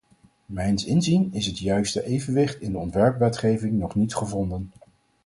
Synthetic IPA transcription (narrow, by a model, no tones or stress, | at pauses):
mɛjnsɪnzinɪsətjœɥstəʔejvənʋɪχtɪndəɔntʋɛɹpʋɛtχejvɪŋnɔχnitχəvɔndən